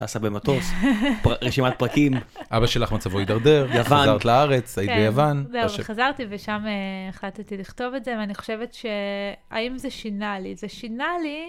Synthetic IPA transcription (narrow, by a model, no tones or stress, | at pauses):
ta̰ːsabemat̪ospaʁeʃimat̪̚pʁakimʔabaʃelaχmat͡savoid̪aʁd̪eʁjavazaʁt̪laaʁet͡sajit̪ibejavanzevχazaʁt̪iveʃameeχlattiliχto̞vetze̞veaniχoʃe̞vetʃe̞a̰imzeʃinalizeʃinali